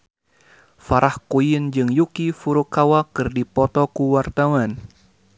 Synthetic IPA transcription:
faɾʔahkujind͡ʒɨŋjukifuɾukawakɨrdipɔt̪ɔkuwart̪awan

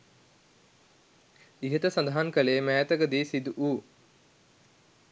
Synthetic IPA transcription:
iɦət̪əsãnd̪aɦankəleːmæːt̪əɡəd̪iːsid̪uʔuː

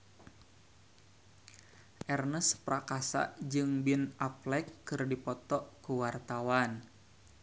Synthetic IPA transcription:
ʔɛrnəspɾakasa̰ʔd͡ʒɨŋbinaplɛkːɨrdipɔt̪ɔʔkuwart̪awan

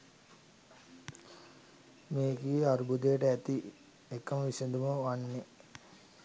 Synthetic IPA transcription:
meːɡiːaɾubud̪eːʈəæt̪i | ekːɐməʋised̪uməʋanːe

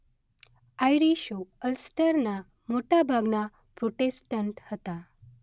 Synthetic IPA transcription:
ajɾiʃoəlsʈəɾna | moʈabʱaɡna | pɾoʈesʈəɳʈhət̪a

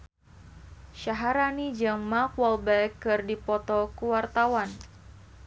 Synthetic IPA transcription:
ʃaɦaɾanid͡ʒaŋmakwɔlbɛkːɨrdipɔt̪ɔkuwart̪awan

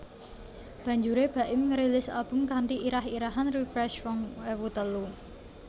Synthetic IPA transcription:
b̥ä̤ɲd͡ʒuɾeb̥a̤ʔɪmŋəɾilɪsab̥ʊ̤mkaɳʈiʔiɾahiɾaɦanrifɾɛʃwɔŋwewut̪əlu

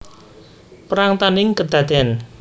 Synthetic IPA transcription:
pɾaŋt̪aniŋkəd̪ad̪ɛn

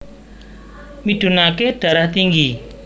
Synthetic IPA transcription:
miɖ̪̥ṳnakeɖ̥ä̤ɾaht̪iŋɡi

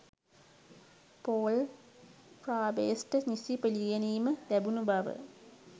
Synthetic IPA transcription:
poːl | fraːbeːsʈəɲisipelijeniːməlæbunubaʋə̰

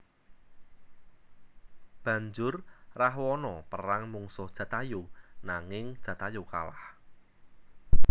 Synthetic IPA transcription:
b̥ä̤ɲd͡ʒʊrrahwɔnɔpəɾaŋmuŋsʊhd̥ʒ̥ä̤t̪ajonaŋɪŋ̥ʒ̥ä̤t̪ajoka̰lah

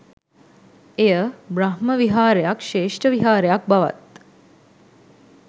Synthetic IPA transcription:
ejəbɾaɦməʋiɦaːɾjakʃeːʂʈəʋiɦaːɾjak̚baʋa̰t̪̚

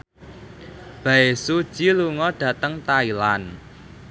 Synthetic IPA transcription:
b̥ä̤esud̥ʒ̥iluŋɔɖ̥ä̤t̪əŋt̪ailan

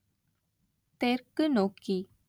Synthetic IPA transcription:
t̪eɾkənoki

